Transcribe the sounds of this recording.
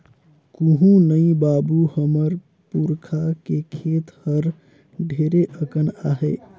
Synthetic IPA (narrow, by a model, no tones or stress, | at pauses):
kuɦũnəĩbabuhəməɾ | puɾkʰakekʰet̪həɾ | ɖʱeɾeʔəkənaɦe